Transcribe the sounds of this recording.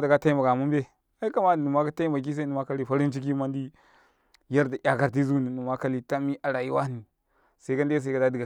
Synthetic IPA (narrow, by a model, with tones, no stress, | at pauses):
da˨ka˦ta˦i˦mba˨ɡa˨mu˦mbe˦ | a˦i˦ka˦ma˦˨nu˨ma˦ka˦ta˦i˦mba˨k̬i˦s̬a˦nu˨ma˦ka˦li˦˨ɸa˦ɾi˦nt͡ʃi˦k̬i˦ma˦ndi˦ | ja˦ɾda˨ʔʲa˨ka˨ɾt̬i˦zu˦ni˨nu˨ma˦ka˦li˦ta˦mi˦ʔa˨ɾa˨ji˦wa˦ni˨ | sa˦i˦ka˦nda˦s̬a˦i˦ka˦da˦di˨ɡa˨